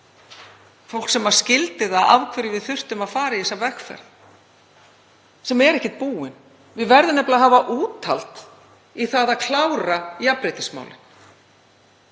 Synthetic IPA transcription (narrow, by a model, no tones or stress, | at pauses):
fow̪̥ksɛmḁscɪlt̪ɪðaða̰vkʰvɪɾɪvɪðθʏr̥t̪ʏmaðfaːɾaɛsavɛxfɛ̰ɾθ | sɛmɛɾɛhcɪt̪̚puːɪn | vɪðvɛɾðɪnɛplaɦaːvaʔuːt̪a̰lt̪ | iθaðaðkʰlaːwɾajapɾɪt̪ɪsma̰wlɪ̰n̥